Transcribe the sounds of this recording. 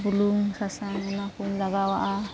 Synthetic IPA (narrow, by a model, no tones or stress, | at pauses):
buluŋsasaŋanapunlaɡawaʔa